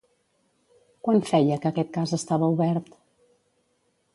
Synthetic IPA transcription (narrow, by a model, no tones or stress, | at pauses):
kwanfɛjəkəːkɛt̪̚kazəst̪aβəuβɛɾt̪